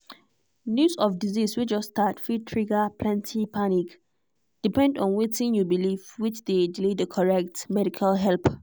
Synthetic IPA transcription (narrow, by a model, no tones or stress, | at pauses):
njusɔfdiziswid͡ʒɔstatfitʰɹiɡapʰlɛ̃ntʰipʰanik | d̥ipɛ̃ndɔ̃nwetĩnjubilivwit͡ʃdediledəkʰɔɹɛk̚tmɛɾikʰalɦɛlp